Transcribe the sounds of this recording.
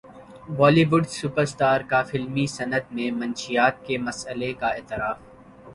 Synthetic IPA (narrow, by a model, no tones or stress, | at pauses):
ʋɔːliːʋʊɖsʊpəɾsʈ̪aːɾkafɪlmisɐnəd̪mẽmɐ̃nʃijaːt̪̚kemɐsəlekaɪːt̪ɪɾaːf